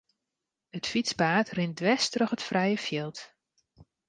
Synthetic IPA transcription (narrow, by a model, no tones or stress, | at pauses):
ətfit͡spaːtrɪndʋɛstrɔχətfrɛjəfjɪlˠt